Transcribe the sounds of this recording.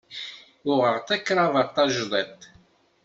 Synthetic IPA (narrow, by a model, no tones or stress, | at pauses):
ʊʁəʁt̪ækːɾˤɑvəʁt̪ɑʒðˤɛt̪